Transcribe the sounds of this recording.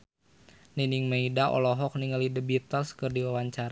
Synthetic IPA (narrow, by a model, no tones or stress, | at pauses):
niniŋməidaʔɔ̰lɔɦɔk̚niŋəlidəbit̪əlskərdiwawaɲt͡ʃaɾa